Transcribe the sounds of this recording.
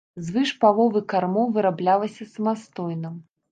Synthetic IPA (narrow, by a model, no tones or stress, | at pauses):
zvɨʂpalˠɔvɨkarmɔwvɨɾablʲalˠɐsʲɐsɐmast̪ɔjnɐ